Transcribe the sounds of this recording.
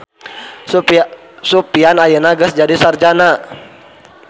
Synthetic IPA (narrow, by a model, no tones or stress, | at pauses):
supianajənaɡəsd͡ʒadisard͡ʒana